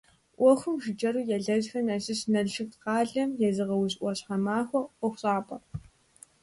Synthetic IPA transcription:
ʔʷɔxʷʊmʒɪd͡ʒɐɾuːjɛɮɐʑxɐmɐɕɪɕnɐɮʃɨktqɑːɮɐmjɛzɨʁɐwʊɕʔʷɔɕħamaːxʷɔɔxʷɕʼɑːpʼɐ

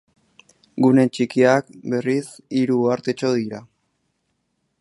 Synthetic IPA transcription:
ɡune̞nt͡ʃikiak̚be̞ris | iɾuaɾt̪e̞t͡ʃo̞ðiɾa

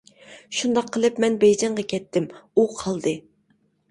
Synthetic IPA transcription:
ʃund̪ɑqʰːəlˠɨpmɛnbɛjd͡ʒɛɴʁɑkʲʰɛt̪ʰːɪmuqʰɑlˠd̪ɨ

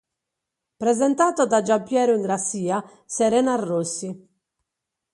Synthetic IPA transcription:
pɾɛzɛnt̪aːt̪ɔd̪ad͡ʒampːjɛːɾuiŋɡɾasːiːa | sɛɾɛːnarːosːi

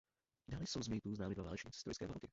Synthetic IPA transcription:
d̪aːlɪsowzmiːt̪uznaːmid̪vaa̰ːlɛt͡ʃɲɪt͡sst̪ɔ̰jskɛ̰ːva̰ːlkɪ

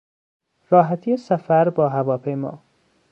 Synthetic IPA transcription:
ɾɒːɦæt̪ʰijesæfæɾbɒːɦævɒːpʰejmɒ̰ː

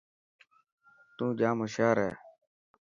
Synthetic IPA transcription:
t̪ũːd͡ʒãːmʊʃaːɾɦɛ̰ː

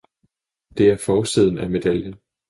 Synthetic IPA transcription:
d̥e̝æɐfɒːsið̞ˠn̩æme̝d̥æljən

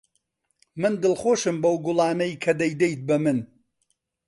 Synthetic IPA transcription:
mɨnd̪ɨlˠχoːʃɨmbɐwɡʊlˠɑːnɐjkʰɐd̪ɐjd̪ejt̪̚bɐmɨn

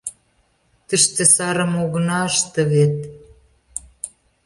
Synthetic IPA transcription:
t̪əʃt̪ĕsɑɾə̆moɣə̆nɑəʃt̪ə̆βet̪

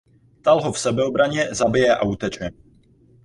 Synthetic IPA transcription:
t̪alɦofsɛbɛobɾaɲɛzabɪjɛʔa̰ut̪ɛt͡ʃɛ

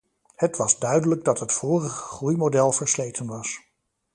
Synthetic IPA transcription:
hətʋɑzdœɥdələɡ̚dɑtɦətfoːrəχəχrujmodɛlˠvəɹslejtʰənʋɑs

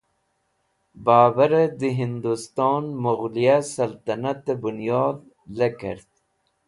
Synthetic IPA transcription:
baːbaɾed̪iɦind̪ust̪oːnmʊɣlijasɐlt̪ɐnat̪ebunjoːd̪̚ | lekə̰ɾt̪̚

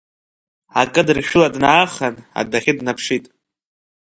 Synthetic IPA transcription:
akʼɨdrʃʲᶣʊladnaːχana̰daχʲɪdnapʰʂitʼ

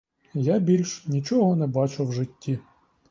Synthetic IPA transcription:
jabʲilʲʃnʲit͡ʃɔɦɔnɛbɑt͡ʃʊwʒɪtʲːi

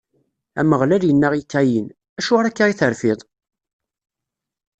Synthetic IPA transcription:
æ̰məʁlæljənːəʁikːæjin | æʃʊʁɾækːaʁiθəɾfɪðˤ

